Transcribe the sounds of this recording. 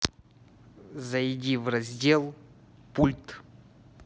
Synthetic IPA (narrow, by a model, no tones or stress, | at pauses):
zɐjdʲivrɐzʲdʲelˠ | pulʲt̪